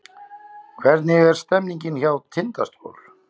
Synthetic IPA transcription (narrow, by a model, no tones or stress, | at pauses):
kʰvɛɾt̪nɪɣɛɾ̥st̪ɛmniɲcɪnçawt̪ʰːɪnt̪ast̪o̰wl